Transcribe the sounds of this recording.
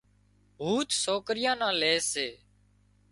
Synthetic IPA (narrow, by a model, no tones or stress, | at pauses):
ɦuːt̪soːkɾɪjãːnãːleːseː